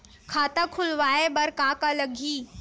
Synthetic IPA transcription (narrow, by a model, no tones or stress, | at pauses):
kʰaːt̪akʰʊlʋaːebɐɾkaːkalɐɡʱiː